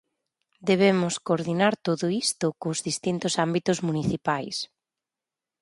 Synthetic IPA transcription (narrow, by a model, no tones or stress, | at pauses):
d̪eβemʊskoɾðinaɾt̪oðʊist̪ʊkʊzðist̪int̪ʊsambit̪ʊzmuniθipajs